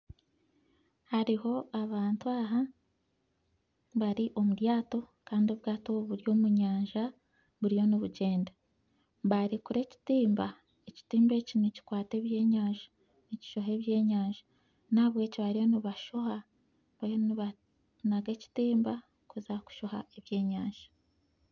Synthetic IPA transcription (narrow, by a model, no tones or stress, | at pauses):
haɾiho̞aβaːntuaɦa | βaɾiʔo̞muɾjaːto̞ | kaːndiβɡaːtoβuɾjo̞ːmuɲaːɲʒa | βuɾijo̞niβuɟe̞ːnda | βaɾikuɾe̞ci̥tiːmba | eci̥tiːmbe̞cinici̥kwaːte̞ːβje̞ːɲaːɲʒḁ | nici̥ʃo̞ɦe̞ːβje̞ːɲaːɲʒḁ | naːβwe̞ːciβaɾijo̞niβaʃo̞ha | βajoniβa | naɡe̞ci̥tiːmba | kuzaku̥ʃo̞hae̞βje̞ːɲaːɲʒ̥ḁ